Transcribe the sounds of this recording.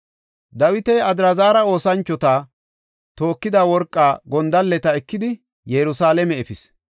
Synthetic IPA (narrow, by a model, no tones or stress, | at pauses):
d̪ɐwɪt̪ɛɐd̪ɾɐzaːɾɐo̞ːsɐnt͡ʃːɔt̪a | t̪o̞ːkːɪd̪aːwɔɾkʼːaːɡɔnd̪ɐlːɛt̪ɐɛkːɪd̪ɪ | jɛɾʊsaːlɛmɛɛfɪs